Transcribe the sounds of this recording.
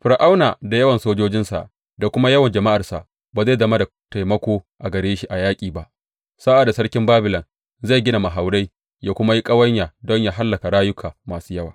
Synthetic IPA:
ɸɪ˨ɾʔa˦wna̰ː˨da˨jɐ˦wɐ˨nsoː˦d͡ʒoː˦d͡ʒɪ˦nsa̰˨ʔ | da˨kʷʊ˦ma˦jɐ˦wɐ˨nd͡ʒɐ˨ma˦ʔa˨rsa̰˨ʔ | baː˨za˦˨zɐ˦ma˦da˨ | ta˨jmɐ˦kʷoː˦ʔa˨ɡɐ˨ɽeː˦ʃi˦ʔa˨jaː˦kʲʼiː˨ba˦ʔ | saː˦ʔa˨da˨sɐ˦ɽkʲɪ˦mbaː˦bɪ˨lɐ˨n | za˦˨jɡʲɪ˦na˨ma˨ɦa˨wɽa˦j | jaː˦kʷʊ˦ma˦ji˦kʼɐ˦wɐ˦ɲjaː˨dɔ˦ɲjaː˨ɦa˦lːɐ˨ka˨ɽaː˦jʊ˦kʰaː˨maː˨suː˦jɐ˦waː˨

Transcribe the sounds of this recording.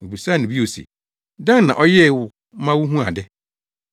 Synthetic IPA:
bu˨sa˦˨nɪ̃˨bi˦o˨sḛ˨ | dã˦n˦nã̰˨ʔɔ˦jɛ˦˨wʊ˦ | mã˦wʊ˦ɦũ˦a̰˨dɛ˦

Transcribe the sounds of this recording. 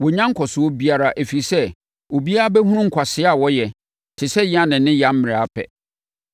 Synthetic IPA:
wɔ˨ɲã˦ŋ̩˦kʰɔ˨sʊ˨ɔ˦bi˦a˦ɾa˨ʔæ˨fi˨sɛ˦ | o˨bi˦a˦a˦bɛ˦ɦũ˦ɾũ˦ŋ̩˨kʰʷa˨sɪ˦a˨wɔ˦jɛ˨ | tʰɪ˨sɛ˦ji˦ã˦˨nɪ̃˨nːɪ̃˦jã˨˦m̩˦mɪ̃˨ɾa˦pʰɛ̰˨

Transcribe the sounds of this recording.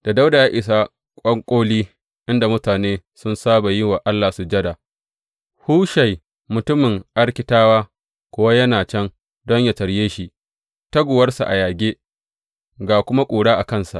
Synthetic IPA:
d̥a˨da˦wda˨jaː˦ʔɪ˨s̬a˦ | kʷʼɐ˦ŋkʷʼoː˦liː˦ | ʔɪ˦nda˨mʊ˦taː˨neː˦sʊ˦nsaː˦ba˨jɪ˦wa˨ʔa˦lːaː˨su˨d͡ʒɐ˦da˨ | huː˦ʃa˨j | mʊ˨tʊ˦mɪ˨ŋʔa˦ɽkʲɪ˨taː˦waː˦ | kʷʊ˦wa˦jɐ˦naː˨t͡ʃɛ˦ŋ | dɔ˦ɲja˨tɐ˨ɽjeː˦ʃi˨ʔ | tɐ˦ɡʷʊ˨wɐ˦rsa˨ʔa̰˨jaː˨ɡʲeː˦ | ɡaː˨kʷʊ˦ma˦kʷʼuː˨ɽaː˦ʔa˨kɐ˦nsa˨ʔ

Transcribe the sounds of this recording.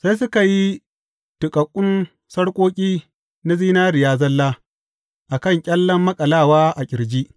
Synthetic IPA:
sa˦js̬ʊ˦ka˨ji˦ | tʊ˨kʼɐ˨kʷʼːʊ˦n | sɐ˦ɽkʷʼoː˦kʲʼiː˦ | na˦ziː˦naː˦ɾɪ˨jaː˦zɐ˦lːaː˦ | ʔa˨kɐ˦˨ŋkʲʼɛɐ˦lːɐ˦mːɐ˦kʼɐ˨laː˦˨waː˦ʔa˨kʲʼɪ˨ɾd͡ʒi˦ʔ

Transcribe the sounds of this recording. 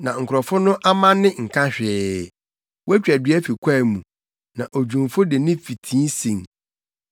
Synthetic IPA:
nã˨ŋ̩˨kʰɾɔ˨fʊ˦nʊ̃˦ʔa˦mã˦nːɪ̃˦ŋ̩˨kʰã˦ɕᶣɛː˨ | wɔ˦æ˦t͡ɕᶣɛ˨dɪ˨˦ɛ˦fi˨kʷʰa˦˨mũ˨ | nã˨ʔo˨d͡ʑᶣũ˨mfʊ˦de˨nɪ̃˦fi˨tʰĩː˦nsĩ˨ŋ

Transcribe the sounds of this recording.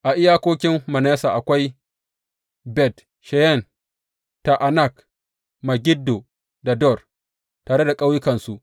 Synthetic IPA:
ʔa˨ʔɪ˦jaː˦kʷoː˦kʲɪ˦mːɐ˨nɛː˦saː˨ʔa˨kʷa˦j | bɛ˨t | ʃɛ˨jɛ˦˨n | ta˨ʔa˨na˦˨k | ma˨ɡʲɪ˦dːo˨ | da˨dɔ˦˨r | taː˨ɽe˦da˨kʼa˦wjɪ˦kɐ˨nsu˦ʔ

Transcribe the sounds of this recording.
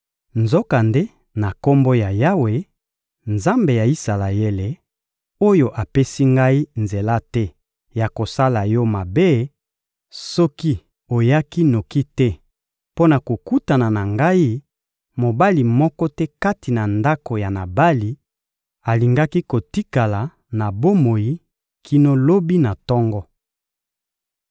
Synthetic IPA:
nzo˦ka˨nde˦ | na˨ko˦mbo˦ja˨ja˦we˨ | nza˦mbe˨ja˨i˦sa˨la˨je˦le˨ | o˦jo˦ʔa˨pe˦si˦ŋɡa˦i˦nze˨la˦tɛ˦ | ja˨ko˨sa˦la˨jɔ˦ma˨be˦ | sɔ˦ki˦ | o˨ja˦ki˦no˨ki˦tɛ˦ | po˦na˨ko˨ku˦ta˨na˨na˨ŋɡa˦i˦ | mo˨ba˦li˨mɔ˦kɔ˦tɛ˦ka˦ti˨na˨nda˦ko˨ja˨na˨ba˦li˨ | a˨li˨ŋɡa˦ki˦ko˨ti˦ka˨la˨ | na˨bo˦mo˨ji˦ | kʰi˦no˦lo˦bi˦na˨tɔ˦ŋɡɔ˦

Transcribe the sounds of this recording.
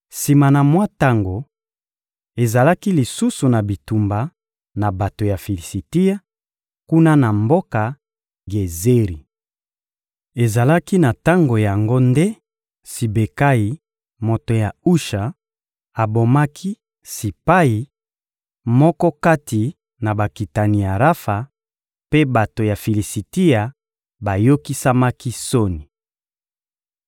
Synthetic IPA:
si˨ma˨na˨mwa˦ta˦ŋɡo˨ | e˨za˨la˦ki˦li˨su˦su˨na˨bi˨tu˨mba˨ | na˨ba˨to˨ja˨fi˨li˨si˨ti˦ja˦ | ku˦na˦na˨mbo˦ka˨ | ɡe˨ze˦ʁi˨ | e˨za˨la˦ki˦na˨ta˦ŋɡo˨ja˨ŋɡo˦nde˦ | si˨be˨ka˦i˨ | mo˨to˨ja˨u˦ʃa˨ | a˨bo˨ma˦kʰi˦ | si˨pa˦ji˨ | mɔ˦kɔ˦ka˦ti˨ | na˨ba˨ki˨ta˨ni˨ja˨ʁa˦fa˨ | pe˦ba˨to˨ja˨fi˨li˨si˨ti˦ja˨ | ba˨jo˦ki˦sa˦ma˦ki˦so˦ni˨

